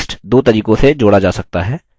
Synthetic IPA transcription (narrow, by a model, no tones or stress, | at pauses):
sʈd̪oːt̪ɐɾiːkõsed͡ʒoːɽad͡ʒaːsɐk̚t̪aɦɛː